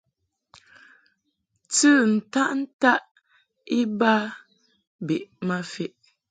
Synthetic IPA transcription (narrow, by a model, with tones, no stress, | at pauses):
t͡sɨ˦˨n̩˨ta˦ʔn̩˦ta˦ʔ | i˦ba˦ | be˨ʔma˦fe˦ʔ